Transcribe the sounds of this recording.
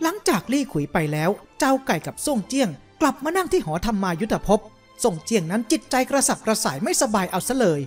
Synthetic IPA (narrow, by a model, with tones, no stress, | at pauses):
la˨˩˦ŋt͡ɕaː˨˩k̚liː˥˩kʰu˨˩˦jpa˧jlɛː˦˥wt͡ɕa˧wka˨˩jka˨˩p̚su˥˩əŋt͡ɕi˥˩əŋkla˨˩p̚maː˧na˥˩ŋt̪ʰiː˥˩ɦɔː˩˦t̪ʰa˧mːaː˧ju˦˥t̪ʰa˧pʰo˦˥p̚ | so˧˩ŋt͡ɕi˥˩əŋna˦˥nt͡ɕi˨˩t̪̚t͡ɕa˧jkɾa˧sa˨˩p̚kɾa˧saː˩˦jma˥˩jsa˧baː˧jʔa˧wsa˦˥lɤː˧j